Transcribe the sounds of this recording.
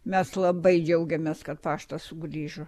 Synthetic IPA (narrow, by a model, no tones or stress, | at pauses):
mʲɛslˠɐbɐɪd͡ʒʲɛʊɡʲɛmʲeːskɐt̪̚pɑːʃt̪ɐsʊɡɾʲiːʒʊ